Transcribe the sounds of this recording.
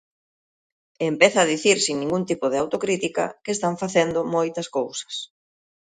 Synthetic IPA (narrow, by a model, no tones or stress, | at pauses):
empeθɐːðiθiɾsiŋnĩŋɡunt̪ipʊðeawt̪okɾit̪ikɐ̰kest̪aɱfaθend̪ʊmojt̪ɐskowsɐ̥s